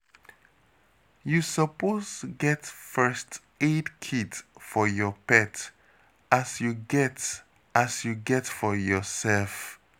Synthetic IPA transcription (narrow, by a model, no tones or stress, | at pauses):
jusəposɡɛtfɜst | edkʰidfɔjɔpɛt | asjuɡɛt | asjuɡɛtfɔjɔsɛlf